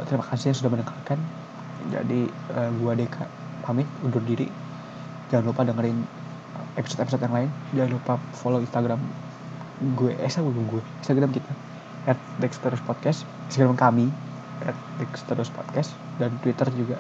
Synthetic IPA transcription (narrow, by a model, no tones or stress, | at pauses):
t̪əɾimakasijaŋsudahmənəŋkalkan | d͡ʒa̰di | əɡuadekʰa̰ | pamɪt̪udʊrdiɾḭ | d͡ʒaŋanlupadəŋəɾɪn | episo̥t̪episot̪̚jaŋlaɪnd͡ʒaŋanlupafoloinst̪aɡɾam | ɡueʔnsaɡɡuɛinst̪aɡɾamkit̪ʰa | ɛt̪̚d̪ɛkst̪əɾospɔt̪̚kɛs | inst̪aɡɾamkami | ʔɛt̪̚d̪ɛkst̪ədospot̪̚kɛs | dant̪wit̪ərd͡ʒuɡa